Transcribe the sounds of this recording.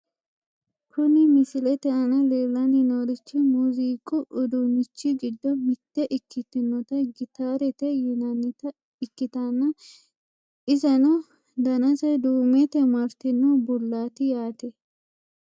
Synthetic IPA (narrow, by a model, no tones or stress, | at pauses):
kʰʊnɪmɪsɪlɛt̪ɛʔɐnɐleːlːɐnɪnɔɾɪt͡ʃːɪmuziːkʼʊʔʊd̪ʊmɪt͡ʃːɪɡɪd̪ːɔmɪt̪ːɛʔɪkʰːɪt̪ːɪnːɔt̪ɐɡɪt̪aːɾɛt̪ɛjʊnɐnːɪt̪ɐ | ɪkːɪt̪ɐnːɐ | ʔɪzɐnɔ | d̪ɐnɐsɐd̪uːmɛt̪ɛmɐɾt̪ɪnːɔbʊlːaːt̪ɪjaːt̪ɛ